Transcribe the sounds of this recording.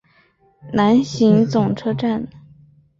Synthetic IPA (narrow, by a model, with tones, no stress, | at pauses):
na˧˥nɕi˧˥ŋt͡sʊ˨˩ŋʈ͡ʂʰɤ˥ʈ͡ʂa˥˩n